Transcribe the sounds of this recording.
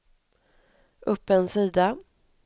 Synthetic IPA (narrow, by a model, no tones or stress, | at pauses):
ʔɵpːɛnsiːd̪a